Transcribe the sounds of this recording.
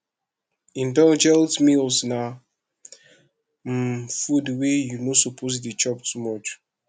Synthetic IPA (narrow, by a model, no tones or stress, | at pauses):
ĩndɔ̃d͡ʒɛltmilsna | fudwejunosɔpʰos̬dit͡ʃɔptʰumɔt͡ʃ